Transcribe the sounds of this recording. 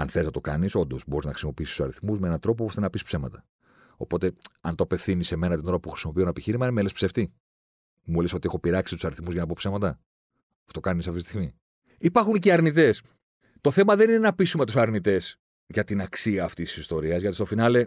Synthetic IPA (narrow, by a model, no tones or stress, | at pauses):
ɐ̰nθeleznɐt̪o̞kɐ̰niso̞nd̪o̞sbo̞iznɐxɾisimo̞piist̪sɐ̰ɾiθmuzmeenɐnt̪ɾo̞popost̪enɐpispse̞mɐ̰t̪ɐ̥ | o̞̰po̞t̪e̞ɐnt̪oɐpe̞fθinise̞me̞nɐt̪ino̞ɾɐpuxɾi̥simo̞pio̞nɐepiçiɾimɐinemelespseft̪i | muleso̞t̪iexo̞piɾɐksist̪u̥sɐɾiθmuzʝɐnɐpo̞pse̞mɐt̪ɐ | ft̪o̞kɐnisɐft̪ist̪iɣmi | ipɐɾxunceɐɾnit̪e̞s | t̪o̞θe̞mɐðe̞ninenɐpisumet̪usɐɾnit̪e̞s | ʝɐt̪inɐksiɐːft̪isi̥sist̪o̞ɾiɐzʝɐt̪ist̪ofinɐle̞